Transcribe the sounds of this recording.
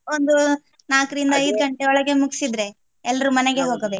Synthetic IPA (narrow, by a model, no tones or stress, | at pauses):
ond̪u | naːkɾind̪ɐːjd̪ɡɐɳʈeɔɭɐɡe̞muɡi̥sid̪ɾe̞ | ɛlːɐɾumɐneɡe̞ɦoːɡɐʋe